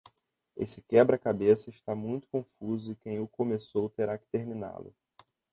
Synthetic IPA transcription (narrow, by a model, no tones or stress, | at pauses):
ḛsɪkɛbɾɐkabesɐɪʃt̪amũj̃t̪ʊ̥kõfuzʊɪkẽj̃ʊkomesowt̪eɾakɪ̥t̪eɾmina̰lʊ̰